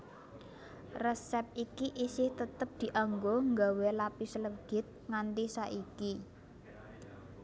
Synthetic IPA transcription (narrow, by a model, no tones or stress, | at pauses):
rɛsɛp̚ikiʔisɪht̪ət̪əp̚d̪̥i̤ʔaŋɡoŋɡawelapisələɡ̥ɪ̤t̪̚ŋant̪isaʔiki